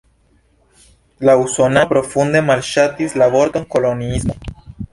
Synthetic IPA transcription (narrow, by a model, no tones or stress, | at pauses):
lauso̞napɾo̞fund̪e̞malʃat̪islaβo̞ɾt̪oŋko̞lo̞niismo̞